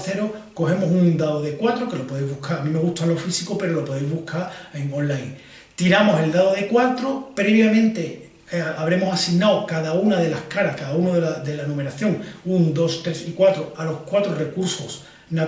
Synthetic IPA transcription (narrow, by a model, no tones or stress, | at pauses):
θe̞ɾoko̞he̞mo̞sund̪aðoðe̞kwat̪ɾo̞ke̞lo̞po̞ð̞ejzβukʰaɾamĩme̞ɣ̞uht̪alo̞fisikope̞ɾo̞lo̞po̞ðejzβuhkʰaɾeŋõ̞nlajŋ | t̪iɾamo̞se̞ld̪aðoðe̞kwat̪ɾopɾe̞βjamẽ̞nt̪e̞ | aβ̞ɾe̞mo̞sasiɣnawkaðaunaðe̞lahkaɾakaðaunoðeaðe̞lanũme̞ɾaθjo̞ŋund̪o̞st̪ɾe̞sikwat̪ɾoalo̞hkwat̪ɾore̞kuɾso̞s | na